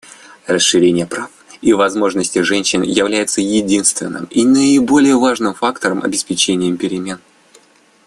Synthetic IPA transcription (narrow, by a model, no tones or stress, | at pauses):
rəsʂɨɾʲenʲɪjəpɾafivɐzmo̞ʐnəsʲtʲɪʐɛnʲɕːɪnjɪvlʲæjɪt̪səjɪdʲinst̪vʲɪ̰nːɨ̰minəɪbo̞lʲɪjəvaʐnɨmfakt̪əɾəmʔɐ̰bʲɪspʲɪt͡ɕenʲɪjəmpʲɪɾʲɪmʲe̞n